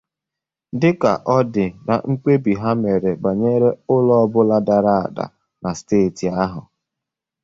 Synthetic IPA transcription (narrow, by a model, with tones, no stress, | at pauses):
dɪ˦ka̰˨ʔɔ˦dɪ˨na̰˨ŋ͡m̩˦k͡pe˦bi˨ɦa˦me˨ɾe˨ba˨ɲe˦ɾe˦ʊ˦lɔ˦bʊ˦la˦da˨ɾa˦a̰˨da̰˨ | na˨steː˦˨ti˨a˦ɦʊ˨